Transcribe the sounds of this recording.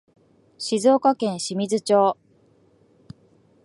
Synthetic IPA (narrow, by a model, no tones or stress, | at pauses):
ɕizo̞ːkakẽ̞ɰ̃ɕimʲizɨt͡ɕo̞ː